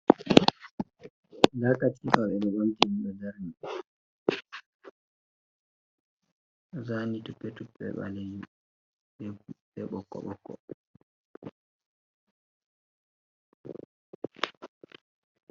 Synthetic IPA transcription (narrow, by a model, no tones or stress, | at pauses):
dakatifawɓɛɓɛɓamtimiɗɔd͡ʒaɾni | zanitupːɛtupːɛ̰ɓa̰leju | bɛɓɔkːɔ̰ɓɔkːɔ̰